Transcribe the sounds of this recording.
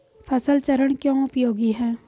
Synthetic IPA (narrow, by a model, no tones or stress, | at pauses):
pʰɐsəlt͡ʃəɾəɽ̃kjõːʊpjoːɡiɦɛː